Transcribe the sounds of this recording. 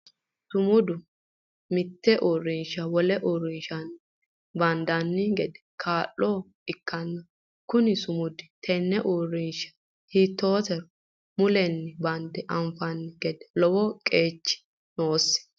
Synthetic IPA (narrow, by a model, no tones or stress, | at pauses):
sʊmʊd̪ʊ | mɪt̪ːɛʔorːɪnʃɐwɔlɛʔɔrːɪnʃɐn | bɐnd̪ɐnːɪɡɛd̪ɛ̥kʰaːlːɔ | ɪkːɐnːɐ | kʊnɪsʊmʊd̪ɪt̪ʰɛnːɛʔorːɪnʃɐ̥ | hiːt̪ːoːt̪ɛɾɔ | mʊlɛnːɪbɐnd̪ɛʔɐmfɐnːɪɡɛd̪ɛ̥lɔwɔkʼe̞ːt͡ʃːɪ̥ | noːsːɪ̥